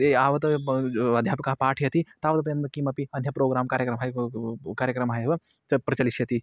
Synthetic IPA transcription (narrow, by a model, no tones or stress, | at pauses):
eaːʋɐt̪ɐɐd̪ʱjaːpɐkaɦpaːʈʰijɐt̪it̪aːʋt̪ɐpɐjɐnt̪ɐkiːmɐpiɐnjɐpɾoːɡɾaːmkaːɾjɐkɾɐmɦajkaːɾjəkɾɐmɦajʋɐ | ɐpɾɐt͡ʃɐliʃjɐt̪i